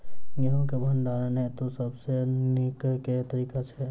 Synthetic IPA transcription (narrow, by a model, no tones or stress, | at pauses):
jɐɦõkebʱənɖaːɾənɦɛt̪osəbsenɪkket̪əɾiːkat͡ʃʰɛ